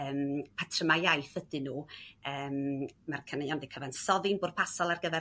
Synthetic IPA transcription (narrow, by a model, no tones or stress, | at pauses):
əːmpʰatʰrəmajajθədɨnuːəːmmarkʰənəjandikʰəvansɔðɪnbʊːr̥̚pʰasɔlˠarɡəvɛ